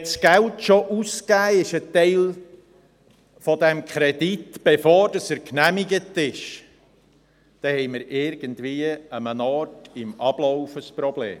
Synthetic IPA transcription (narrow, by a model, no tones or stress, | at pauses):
sɡ̥æltʃoʔuskæːɪʃətɛɪl | fɔdɛmkχɾɛditb̥ɛfoːɾd̥ɑsəɾknæmiɡətɪʃ | d̥ɛhɛɪməɾʔɪɾɡ̥əntʋiːəəmənɑːtɪmɑb̥loʊfəspɾɔblḛːm